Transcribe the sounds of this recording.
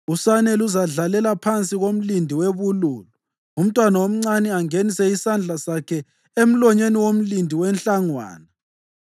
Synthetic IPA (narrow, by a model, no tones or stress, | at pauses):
usanɛluzaɮalɛlapʰant͡sʼiɣom̩lindʱiweβuluːlɔ | um̩tʼwanawom̩ŋ͡ǀanɛaŋenisɛisand͡ɮʱasakʰɛ | em̩lɔɲeniwom̩lindʱiwɛnɬʼaŋwa̰ːna